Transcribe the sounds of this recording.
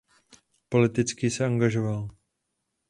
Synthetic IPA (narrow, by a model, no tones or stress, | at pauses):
po̞lɪt̪ɪt͡skɪsɛaŋɡaʒo̞val